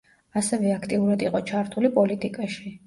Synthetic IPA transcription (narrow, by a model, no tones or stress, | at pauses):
asɛvɛakʰt̪ʼiuɾad̪iqʼɔt͡ʃʰaɾt̪ʰulipʼɔlit̪ʼikʼaʃi